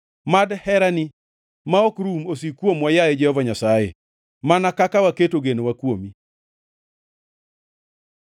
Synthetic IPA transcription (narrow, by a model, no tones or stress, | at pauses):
madhɛɾanɪ | maɔkɾumosikwomwajajed͡ʒɛhɔvaɲasajḛ | manakakawaketoɡenowakwomi